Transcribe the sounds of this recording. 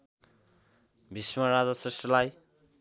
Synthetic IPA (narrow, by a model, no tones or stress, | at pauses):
bʱismʌɾad͡zʌsresʈrʌlaj